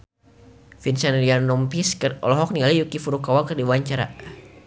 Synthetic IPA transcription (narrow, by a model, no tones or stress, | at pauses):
finsanlianːɔmpiskərʔɔ̰lɔɦɔk̚niŋalijukifuɾukawakərdiwaɲt͡ʃaɾa̰